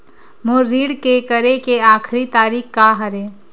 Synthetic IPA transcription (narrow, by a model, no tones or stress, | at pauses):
moɾiːɽkekəɾekeaːkʰɾit̪aːɾiːkkaɦɐɾeː